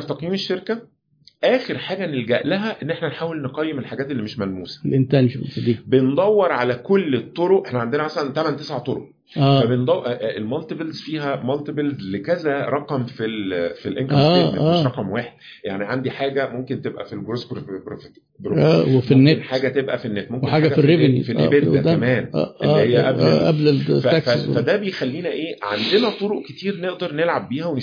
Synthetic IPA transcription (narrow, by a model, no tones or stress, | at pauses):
t̪ɑqjiːmeʃːeɾkæ | ʔæːxeɾħaːɡænelɡæʔlæɦæʔenːʔeħnænħaːwelneqɑjːemelħaɡæːt̪elːimeʃmælmuːsæ̥lʔent̪ænʃsd̪iːbend̪ˤɑwːeɾˤʕalækolːet̪ˤːoɾoʔeħnæʕand̪enæmæsælænt̪æmænt̪esʕat̪ˤoɾo̰ʔ | æːfæbend̪ˤɑʔʔelmɑlt̪ebelzfiːɦæmɑlt̪ebelzlekæzæɾˤɑqɑmfilfilʔḛnkæːeːæeːʃɾɑqɑmweːħed̪̥̚ | jaʕniʕand̪iħaːɡæmomkent̪ebʔæ̰filɡɾosbɾbɾofe | d̪ɾoæwefinːeħaːɡæt̪ebʔæ̰finːeːt̪̚momkweħaːɡæfirebnḭfilʔḛbelt̪æmæːm̰ːʔeælːihejːæʔælʔæbleæækffæd̪æbejexælːiːnæʔeːʕand̪enæt̪ˤoɾoʔket̪iːɾneʔd̪ɑɾˤnelʕabːiːhæwene